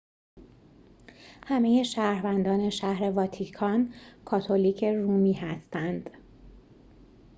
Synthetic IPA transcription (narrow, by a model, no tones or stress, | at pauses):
hæme̞je̞ʃæːɾvænd̪ɒːne̞ʃæhɾe̞vɒːt̪ʰikʰɒːnkʰɒːt̪ʰoliːcʰe̞ruːmiːhæst̪ænd̪̥